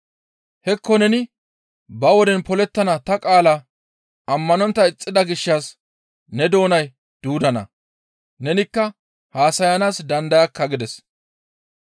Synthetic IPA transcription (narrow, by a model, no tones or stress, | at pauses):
hɛkːɔnɛnɪ | bɐwɔd̪ɛnpɔlɛt̪ːɐnɐt̪ɐkʼaːla | ʔɐmːɐnɔnt̪ːɐɪt͡sʼːɪd̪ɐɡɪʃːɐs | nɛd̪o̞ːnɐj | d̪̥uːd̪ɐnɐ̰ | nɛnɪkːɐ | haːsɐjɐnaːsd̪ɐnd̪ɐjɐkːɐɡɪd̪ɛs